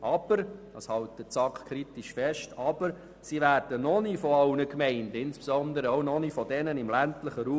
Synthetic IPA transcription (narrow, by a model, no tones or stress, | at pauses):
ʔɑb̥əɾɑ̰shɑltət͡sɑkχkʰɾitiʃfɛʃtɑb̥əɾ | siʋæːɾd̥ənɔnifɔɑlnəkmɛɪndɪnspsɔnd̪əɾəoʊnɔnifɔdɛnənɪmlæntləχəɾuː